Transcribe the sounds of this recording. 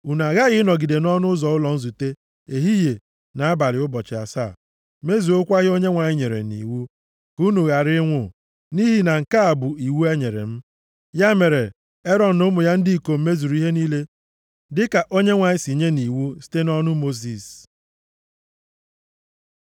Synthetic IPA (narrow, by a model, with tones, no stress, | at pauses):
u˨n˨a˨ɣa˦ɣɪ˦nɔ˨ɡi˨de˨nɔ˦nʊ˦zɔ˨ʊ˦lɔ˨n̩˦zu˨te˦ | e˨ɦi˦je˨ | na˨a˦ba˨lɪ˨ʊ˦bɔ˨t͡ʃɪ˨a̰˨sa̰˦˨ | me˦zu˨o˦kʷa˦ɣɪ˦o˦ɲe˦ŋʷa˨ɲɪ˦ɲe˨ɾḛ˨nḭ˨wu˦ | ku˦nu˨ɣa˨ɾɪ˦ŋʷʊ˨ | ni˦ɦi˨na˨ŋ̩˨ka˦a˨bʊ˨i˨wu˦e˦ɲe˨ɾḛ˨m̩˦ | ja˦me˨ɾe˨ | e˦ɾɔ˨n̩˨nʊ˦mʊ˨ja˦n̩˦dɪ˦i˨ko˨m̩˦me˦zu˨ɾu˦i˦ɦe˦niː˦le˦ | dɪ˦ka˨ʔo˦ɲe˦ŋʷa˨ɲɪ˦si˨ɲe˦ni˨wu˦si̥˦te˦nɔ˦nʊ˦mo˦zi˨s